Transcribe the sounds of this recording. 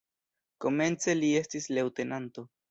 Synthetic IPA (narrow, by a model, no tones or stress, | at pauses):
ko̞me̞nt͡se̞lie̞stisle̞wte̞nanto̞